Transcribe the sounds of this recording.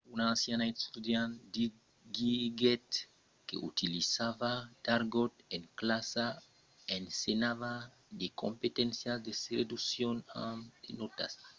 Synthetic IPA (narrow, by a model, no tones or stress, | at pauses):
unaːnsjanaest̪ud̪jãnd̪i | ɡiɡet̪ | kḛʔut̪ilisavad̪aɾɡot̪eŋklasa | ensenava | d̪eko̰mpet̪ẽnsjasd̪esred̪usjonad̪̥enot̪a̰s